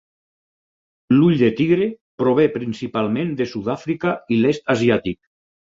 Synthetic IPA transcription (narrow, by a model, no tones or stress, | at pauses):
luʎd̪et̪iɣɾe | pɾoβ̞epɾinsipalˠmẽnd̪esuðafɾikailest̪aziat̪ik̚